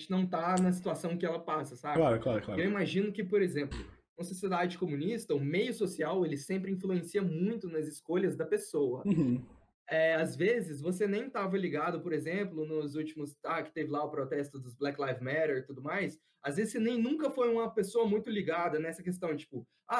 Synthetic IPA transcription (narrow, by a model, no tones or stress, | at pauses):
t͡ʃɪnɐ̃w̃t̪anɐs̬i̥t̪uasɐ̃w̃kɪɛlɐpasɐsabklaɾʊklaɾʊklaɾewimaʒĩnʊkɪpoɾezẽmplʊ | ũɐsosied̪ad͡ʒɪkomũnist̪ɐʊmejʊsosiawelɪsẽmpɾɪĩfluẽsiɐmũj̃t̪ʊnɐzɪskoʎɐzd̪ɐpesowɐ | ɛazvezɪzvosenẽj̃t̪avɐliɡad̪ʊpoɾezẽmplʊnʊzut͡ʃimʊsakɪ̥t̪evɪlaʊpɾot̪ɛst̪ʊd̪ʊzblɛklajfmɛɾeɾt̪ud̪ʊmajs | azvezɪsɪnẽj̃nũŋkɐfojũmɐpesoɐmũj̃t̪ʊliɡad̪ɐnɛsɐkes̬t̪ɐ̃w̃t͡ʃi̥pʊ | a